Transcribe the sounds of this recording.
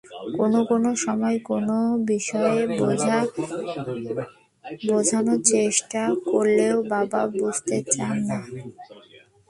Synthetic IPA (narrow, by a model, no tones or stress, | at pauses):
konokonoʃɔmɔekonobiʃɔe | bod͡ʑʱanot͡ɕeʃʈakoɾleobababud͡ʑʱt̪et͡ɕanːa